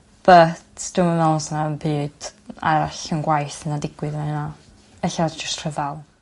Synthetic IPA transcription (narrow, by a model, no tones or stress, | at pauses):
b̥ətʰd̥umanɛlnsnaənbɨːd̥a̰ɬənɡwajθənadɪɡwɨðnaəna | ɛɬadd͡ʒəstʰr̥əðalˠ